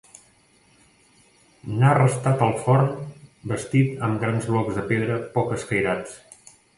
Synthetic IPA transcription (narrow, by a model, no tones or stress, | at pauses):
narəst̪at̪əlˠfɔrnbəst̪it̪əmɡɾanzβlɔɡzðəpeðɾəpɔkəskəjɾat͡s